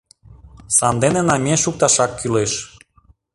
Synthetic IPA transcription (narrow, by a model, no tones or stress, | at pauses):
sɑnd̪enenɑmʲeʃuk̚t̪ɑʃɑkːyleʃ